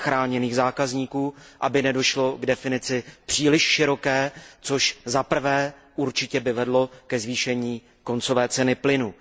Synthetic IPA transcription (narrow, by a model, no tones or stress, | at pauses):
xɾaːɲɛniːɣzaːkazɲiːkuːʔabɪnɛdo̞ʃlo̞ɡdɛfɪnɪt͡sɪpr̥iːlɪʃʃɪɾo̞kɛːt͡soʃzapr̩vɛːʔuɾt͡ʃɪcɛbɪvɛdlo̞kɛzviːʃɛɲiː | ko̞nt͡so̞vɛːt͡sɛnɪplɪnu